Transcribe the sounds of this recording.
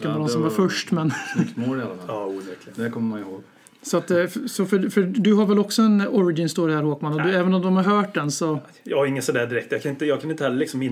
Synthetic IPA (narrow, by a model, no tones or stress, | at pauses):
anɔd̪ɔmsɔmvaɾfœʂʈmɛnkt̪moɾɪalːamɛ̰ːvæɾkʰlɪəd̪ɛɾkʰɔmːəɾmanɪhoːɡ | sɔat̪sɔfœfœd̪ɵɦaɾvɛlɔksɔɛnɔɾɪɡɪnst̪oːɾɪhæɾhoːkmanɔd̪ɵɛːvənɔmd̪ɔmhaɾɦœːʈd̪ɛnsɔ | jɑːɡɪŋːəsɔd̪æːɖɪɾɛk̚t̪jɑkʰanɪnt̪əjɑːɡkʰanɪnt̪əhɛlːalɪksɔmːɪn